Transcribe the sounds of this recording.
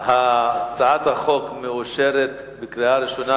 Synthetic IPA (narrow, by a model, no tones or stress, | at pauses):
hat͡saʕat̪haχo̞kmeuʃeɾet̪ | bekɾiaɾiʃona